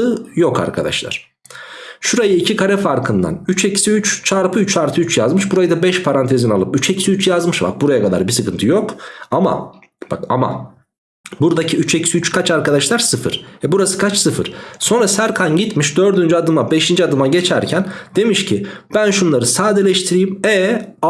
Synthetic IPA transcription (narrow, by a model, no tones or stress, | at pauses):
ɯjo̞kʰa̰ɾkʰad̪a̰ʃlˠa̰ɾ̥ | ʃuɾajɯicʰikʰaɾɛfaɾkʰɯnd̪a̰nyt͡ʃʰecʰi̥siyt͡ʃt͡ʃʰaɾpʰɯyt͡ʃʰaɾt̪ʰɯyt͡ʃjazmɯʃbuɾajɯd̪abɛʃpʰaɾant̪ʰezinalˠɯpyt͡ʃecʰi̥siyt͡ʃjazmɯʃva̰ɾ̚buɾajakad̪a̰ɾbisɯkɯnt̪ʰɯjo̞kama̰ | baka̰ma̰ | buɾd̪acʰiyt͡ʃʰe̞cʰi̥siyt͡ʃkʰat͡ʃaɾkad̪aʃlˠaɾsɯfɯ̰ɾ̥ɛbuɾasɯ̥kʰat͡ʃsɯfɯ̰ɾ̥so̞nɾasæɾkʰanɟit̪miʃd̪ø̞ɾd̪ynd͡ʒyad̪ɯmabe̞ʃind͡ʒiad̪ɯmaɟe̞t͡ʃʰæɾcʰænd̪e̞miʃcʰib̥ænʃunlˠaɾɯsaːd̪elʲɛʃt̪ʰiɾijimɛa